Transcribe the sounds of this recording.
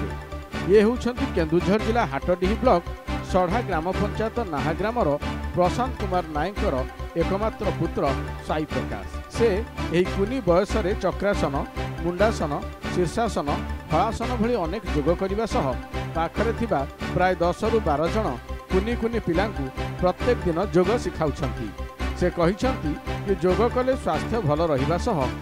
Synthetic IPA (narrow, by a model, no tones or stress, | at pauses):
jeɦewt͡ʃʰɔnt̪ikend̪ɾud͡ʒʱɔɾd͡ʒilaɦaʈɔɖiɦiblɔksɔɽ̤aɡɾamɔpɔnt͡ʃajɔt̪ɔnaɦaɡɾamɔɾɔpɾɔsant̪kumaɾnajɔŋkɔɾɔekɔmat̪ɾɔput̪ɾɔsajpʰɔka̰sseːɦikunibɔjɔsɔɾet͡ʃɔkɾasɔnɔmuɳɖasɔnɔsiɾsasɔnɔbʱɔɭasɔnɔbʱɔɭiɔnekɔd͡ʒoɡɔkɔɾibasɔɦɔpakʰɔɾet̪ʰibapɾaed̪ɔsɔɾubaɾɔd͡ʒɔɽ̃ɔkunikunipilaŋkupɾɔt̪jekɔd̪inɔd͡ʒoɡɔsikʰawt͡ʃʰɔnt̪ḭsekɔɦit͡ʃʰɔnt̪ikid͡ʒoɡɔkɔleswast̪ʰjɔbʱɔlɔɾɔɦibasɔɦɔ